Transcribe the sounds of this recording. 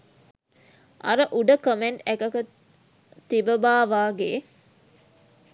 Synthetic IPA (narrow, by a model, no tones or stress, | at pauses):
a̰ɾəʔuɖəkəmeɳʈækɐkə | t̪ibəbaːʋaːɡeː